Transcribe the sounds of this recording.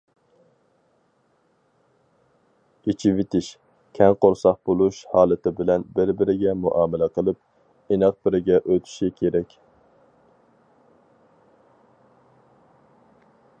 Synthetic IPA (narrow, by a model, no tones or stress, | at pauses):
it͡ʃʰivɪt̪ʰɪʃ | kʲʰɛŋqoɾsɑq̚bolˠuʃhɑːlˠɨt̪ʰɪbɪlɛnbɪɾbɪɾɪɡʲɛmuʔɑːmɪlɛqʰəlˠɨp̚ | enɛq̚bɪɾɪɡʲɛʔøt̪ʰy̥ʃikʲʰeɾɛkʲ